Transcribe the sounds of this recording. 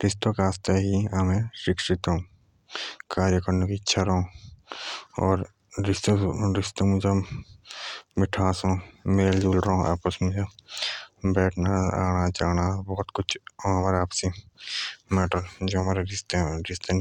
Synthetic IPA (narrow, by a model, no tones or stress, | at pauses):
ɾɪst̪õkaːst̪ʰaɦiɐmẽʃɪkʃɪt̪õ | kaːɾjəkɾnokitːʃʰaɾõ | ɔːɾ | ɪst̪ɾɪst̪õmʊd͡ʒʱe | mɪʈʰãːsõmeːld͡ʒuːlɾaɦõʔa̰ːpəsmʊd͡ʒʱe | bɛːʈʰnaaːɽ̃ad͡ʒaːɽ̃abɔːt̪kʊt͡ʃʰːɦɐmaːɾeaːpse | mɛːʈəɾd͡ʒoːɦɐmaːɾeɾɪst̪eɾɪst̪ẽ